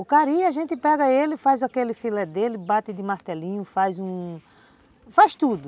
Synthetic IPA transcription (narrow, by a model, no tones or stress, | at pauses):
ʊkaɾiaʒẽnt̪ɪpɛɡɐelɪfajzakelɪfilɛd̪elɪbat̪ɪd̪ɪmaɾt̪ɛlĩɲʊfajzũ | fajst̪ud̪ʊ